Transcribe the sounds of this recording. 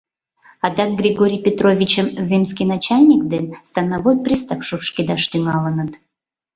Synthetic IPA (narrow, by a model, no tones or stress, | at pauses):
ɑd̪ɑk̚ɡrʲiɡoɾʲijpʲet̪ɾovʲit͡ɕəmzɨmskʲinat͡ɕalʲnʲikd̪enst̪anavojpɾʲist̪apʃupʃkʲid̪ɑʃt̪yŋɑlənət̪